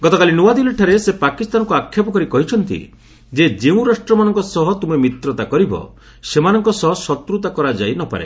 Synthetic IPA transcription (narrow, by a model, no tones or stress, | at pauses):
ɡɔt̪ɔkalinuwad̪iliʈʰaɾesepakist̪anɔŋkuakʰːjapɔkɔɾikɔɦit͡ʃʰɔnt̪ḭ | d͡ʒed͡ʒeũɾasʈɾɔmanɔŋkɔsɔɦɔt̪umemit̪ɾɔt̪akɔɾibɔ̰ | semanɔŋkɔsɔɦɔsɔt̪ɾut̪akɔɾad͡ʒajnɔpa̰ɾḛ